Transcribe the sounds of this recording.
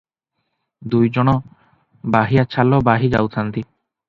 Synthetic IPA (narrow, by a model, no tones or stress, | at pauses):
d̪ujd͡ʑɔnɔ | baɦijat͡ɕʰalɔbaɦid͡ʑa̰wt̪ʰant̪i